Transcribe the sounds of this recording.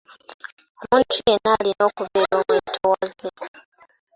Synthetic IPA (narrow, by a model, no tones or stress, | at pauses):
omuːntʰujenaːlino̞ːkuβeːɾoːmwetʰowaze